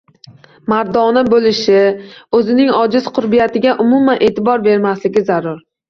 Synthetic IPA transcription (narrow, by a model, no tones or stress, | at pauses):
maɾd̪ɒnɪbolɪʃɪɵzɪnɪŋɒd͡ʒɪz̥qʰʊɾbijat̪ɪɡʲaʔʊmʊmanʔeːt̪ɪbɒɾbe̞ɾmaslɪɡʲɪzaɾʊɾ